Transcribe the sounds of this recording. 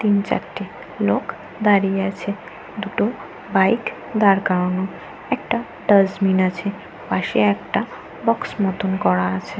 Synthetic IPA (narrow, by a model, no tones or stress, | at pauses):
t̪int͡ɕa̰ɾʈːi | lok | d̪aɾijeat͡ɕʰe | d̪uʈo | bajk | d̪aɾkano | ɛkʈa | ɖəd͡ʑminat͡ɕʰe | paʃeɛkʈa | bɔksmɔt̪onkɔɽaat͡ɕʰe